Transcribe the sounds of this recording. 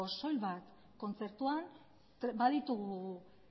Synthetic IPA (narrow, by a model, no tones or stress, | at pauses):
oso̞jlβat̪ | ko̞nt͡se̞ɾt̪uan | t̪baðit̪uɣu